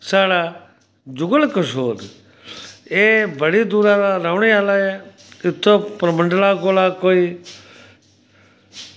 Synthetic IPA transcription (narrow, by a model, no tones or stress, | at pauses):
saːɽaː | d͡ʒʊɡəlkəsoːɾ | eːbəɽiːd̪uːɾaːɾaɾəʋɳiaːlaːeː | ɪt̪ʰːoːpɾəməɳɖəlaːkoːlaːkoːiː